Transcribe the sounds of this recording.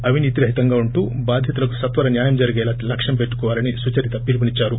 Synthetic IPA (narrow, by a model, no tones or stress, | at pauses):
ɐʋiniːt̪iɾɐɦit̪ɐŋɡaːuɳʈuːbaːd̪ʱjɐt̪ulɐku̥sɐt̪ʋɐɾɐnjaːjɐmd͡ʒɐɾiɡɛːlaːlɐkʂɐmpeʈːu̥kɔːʋaːɾɐnisut͡ʃɐɾit̪ɐpilp̬ɐnit͡ʃːaːɾu